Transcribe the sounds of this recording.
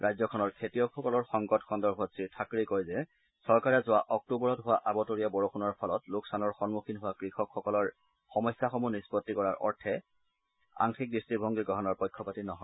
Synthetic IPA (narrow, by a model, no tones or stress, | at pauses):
ɹajzɔkʰɔnɔɹkʰetijɔkxɔkɔlɔɹxɔŋɡɔtxɔndɔɹbʱɔsiɹtʰakɹikojzɛ | sɔɹkaɹɛzʊaʔɔk̚tubɔɹɔtɦʊwaʔabɔtoɹiɔbɔɹoxʰunɔɹpʰɔlɔtloksanɔɹxɔnmuxʰinɦʊwakɹixɔkxɔkɔlɔɹ | xɔmɔjsːaxɔmunispɔtːikɔɹaɹʔɔ̰ɹtʰɛ | a̰ŋxik̚distɹibʱɔŋɡiɡɹɔɦɔnɔɹpɔjkʰːɔpatinɔɦɔ